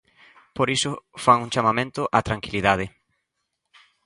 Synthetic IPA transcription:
poɾisʊfaŋuŋt͡ʃamamẽnt̪ʊʔat̪ɾaŋkiliðað̞ɪ

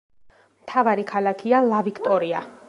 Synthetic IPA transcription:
mt̪ʰavaɾikʰalˠakʰialavikʰt̪ʼɔɾia

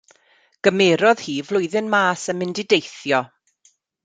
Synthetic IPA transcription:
ɡ̥əmeːɾɔð̥hiːvlˠʊjðɪnmaːsənmɪndɪdejθjɔ

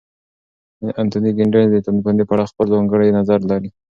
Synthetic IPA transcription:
əʔant̪uniɡɪɳɖend̪et̪anpənd̪epaɽɑxpəlzɑŋɡəɽejnazaɾlaɾi

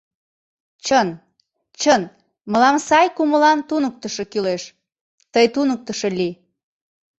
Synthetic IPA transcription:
t͡ɕən | t͡ɕən | məlɑmsɑjkuməlɑnt̪unək̚t̪əʃokyleʃ | t̪əjt̪unək̚t̪əʃɤli

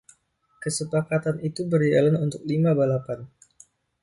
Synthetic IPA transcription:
kəsəpakat̪anit̪ubərialanunt̪ʊk̚limabalapan

